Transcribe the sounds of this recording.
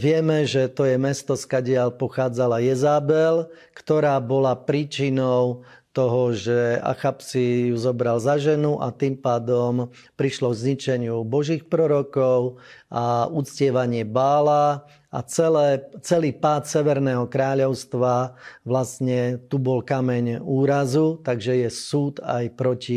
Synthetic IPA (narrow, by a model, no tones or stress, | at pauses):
ʋɪɛmɛʒɛt̪ɔjɛmɛst̪ɔskaɟɪalpɔxaːd͡zalajɛzaːbɛl | kt̪ɔɾaːbɔlapɾiːt͡ʃinɔʊ | t̪ɔɦɔʒɛa̰xapsijuzɔbɾalzaʒɛnuʔa̰t̪iːmpaːd̪ɔm | pɾiʃlɔɡzɲit͡ʃɛɲɪubɔʒiːxpɾɔɾɔkɔʊʔaut͡scɪɛʋaɲɪɛbaːla | a̰t͡sɛlɛːt͡sɛliːpaːt̪sɛʋɛɾnɛːɦɔkɾaːʎɔʊst̪ʋaʋlastɲɛt̪ubɔlkamɛɲuːɾazut̪aɡʒɛjɛsuːt̪a̰jpɾɔci